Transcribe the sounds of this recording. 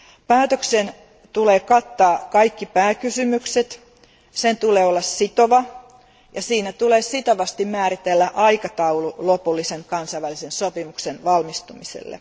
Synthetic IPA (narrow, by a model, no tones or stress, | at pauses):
pæːt̪øksen | t̪uleːkɑt̪ːɑːkɑikːipæːkysymykset̪ | sent̪uleːolːɑssit̪oʋɑ | jɑsiːnæt̪uleːsit̪oʋɑst̪immæːɾit̪elːæʔɑikɑt̪ɑululopulːiseŋkɑnsɑiʋælisensopimuksenʋɑlmist̪umisḛlːḛ